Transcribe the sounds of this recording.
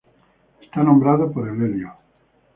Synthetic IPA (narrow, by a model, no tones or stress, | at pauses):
est̪anõmbɾaðopoɾeleljo